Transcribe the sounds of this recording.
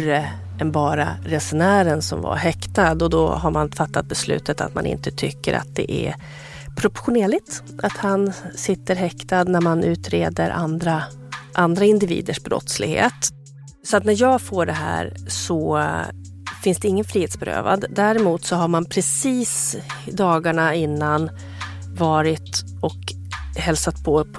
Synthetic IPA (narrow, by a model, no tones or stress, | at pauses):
ə | ɛnbɑːɾa̰ɾɛsɛnæːɾənsɔmva̰ɾɦɛkt̪ad̪ɔd̪ɔ̰ɦaɾmanfat̪ːat̪̚bɛslʉ̟ːt̪ət̪a̰t̪manʔɪ̰nt̪ət̪ʰʏkːəɾa̰t̪̚d̪ɛ̰ʔæ̰ | pʰɾɔpʊɧʊneːɭɪt̪ | ʔat̪hansɪt̪ːəɾɦɛkt̪ad̪næɾmanʔʉ̟ːt̪ɾeːd̪əɾʔa̰nd̪ɾa | ʔand̪ɾaɪnd̪ɪvḭːd̪əʂbɾɔ̰t̪slɪɡhḛːt̪ | sɔat̪næɾjɑːɡfoːɖɛɦæ̰ːɾsɔ | fɪnsd̪ɛɪŋːənfɾiːheːt̪sbɛɾø̰ːva̰d̪d̪æɾɪmuːt̪sɔɦaɾmanpʰɾɛsiːsd̪ɑːɡaɳaɪnːan | vɑːɾɪt̪ | ɔk | hɛlsat̪̚pʰɔ